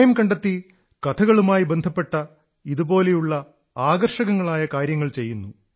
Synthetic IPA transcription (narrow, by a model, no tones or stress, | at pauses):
jɐmkɐɳɖet̪ːi | kɐt̪ʰɐɣɐɭumaːjibend̪ʱɐpːe̞ʈːɐ | iðubo̞ːle̞juɭːɐ | aːɡɐrʂɐɣɐŋːɐɭaːjɐkaːɾjɐŋːɐɭt͡ɕe̞jːunːu